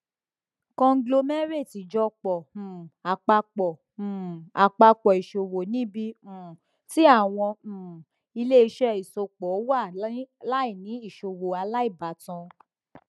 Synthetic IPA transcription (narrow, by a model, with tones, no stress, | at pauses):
kɔ̃˧ŋ̩˦ɡlo˧mɛ˦ɾe˦˨ti˨d͡ʒɔ˧k͡pɔ̃˨a˨k͡pa˧k͡pɔ˨ | a˨k͡pa˧k͡pɔ˨i˨ʃo˨wo˨nĩ˨˦bĩ˧˨ | ti˦a˦˨w̃ɔ̃˧˨ | i˧le˦i˧ʃɛ˦i˨so˧k͡pɔ˨˦wa˦˨la˦i˦˨nĩ˨˦i˦˨ʃo˨wo˨a˧la˦i˦˨ba˨tɔ̃˧